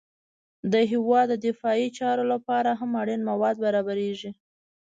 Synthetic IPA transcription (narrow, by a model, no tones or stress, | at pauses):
d̪əɦɪwɑd̪ːəd̪ɪfɑit͡ʃɑɾolapɑɾaɦamaɽinmawɑd̪̚baɾɑbaɾeʒi